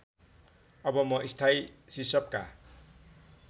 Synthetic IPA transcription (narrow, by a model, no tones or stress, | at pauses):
ʌbʌmʌʔist̪ʰajsisʌp̚ka̰